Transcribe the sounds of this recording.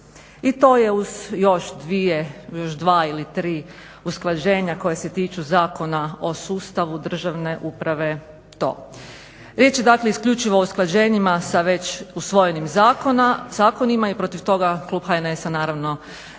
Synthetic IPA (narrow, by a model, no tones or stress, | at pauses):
it̪o̞ːje̞uz̥jo̞ʃd̪ʋijejo̞ʃd̪ʋaːilit̪ɾiː | usklˠad͡ʑe̞ːɲako̞jeset̪iːt͡ʃuzaːko̞nao̞suːst̪aʋud̪r̩ʒaʋne̞ʔupɾaʋe̞ | t̪o̞̰ː | ɾʲjet͡ɕje̞d̪akleiskʎut͡ʃiʋoːusklˠad͡ʑe̞ːɲimasaʋe̞t͡ɕusʋo̞je̞nimzaːkonazaːko̞nimaipɾo̞t̪iʋt̪o̞ɡaklˠuːbxajnesanaːɾaʋno̞